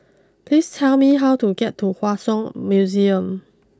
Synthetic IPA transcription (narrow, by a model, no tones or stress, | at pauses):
pʰlistʰɛlmiɦawtuɡɛtʰːuhwasɔ̃ŋmjuziə̃m